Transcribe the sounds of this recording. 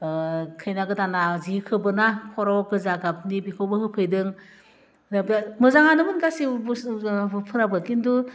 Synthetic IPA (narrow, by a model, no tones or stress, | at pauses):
kʰɯjnaɡɯdanazikʰɯbɯnakʰɔɾawɔkɯzaɡap̚nibikʰɔwbɯhɯpʰɯjdɯŋ | bmɯzaŋanɯmɯnɡasib | pʰɯɾabɯkindu